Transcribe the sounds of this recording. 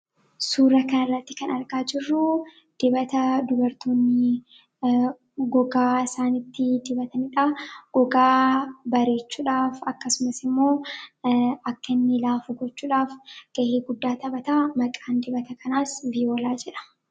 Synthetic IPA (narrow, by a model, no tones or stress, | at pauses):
suːɾɐkɐnɪrːɐt̪ːɪkɐnɐɾɡaːd͡ʒɪrːʊ | d̪̥ɪbɐt̪ɐd̪ʊbɐɾt̪oːnːɪ | ɡɔɡaːɪsaːnɪt̪ːɪd̪ɪbɐt̪ɐnɪᶑaːɡ̥ɔɡaːbɐɾe̞ːt͡ʃːuːᶑaːfɐkːɐsʊmɐsɪmːo̞ː | ɐkːɐnːɪlaːfʊɡɔt͡ʃːuːᶑaːfɡ̥ɐʔeːɡʊd̪ːaːt̪ɐbɐt̪aːmɐkʼaːnd̪ɪbɐt̪ɐkʰɐnaːsviːoːlaːd͡ʒɛᶑɐ̥